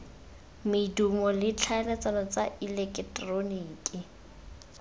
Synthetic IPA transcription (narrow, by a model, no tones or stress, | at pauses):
mɪdumɔlɪt͡ɬʰaɛlɛt͡sanɔt͡saʔilɛkʼɛtʼroniːkʼi